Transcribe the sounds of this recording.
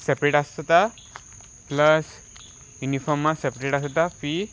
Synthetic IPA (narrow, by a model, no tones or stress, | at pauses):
sɛpɾeʈast̪a | pləs | junifɔɾmasɛpɾeʈast̪afi